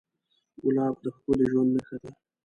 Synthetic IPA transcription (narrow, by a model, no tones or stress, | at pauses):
ɡʊlɑb̚d̪əxpəleʒwand̪naxad̪a